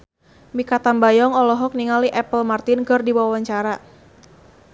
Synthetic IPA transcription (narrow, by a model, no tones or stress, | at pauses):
mikat̪anbajɔŋɔlɔɦɔk̚niŋaliʔɛpəlmart̪ɪnkərdiwawawaɲt͡ʃaɾa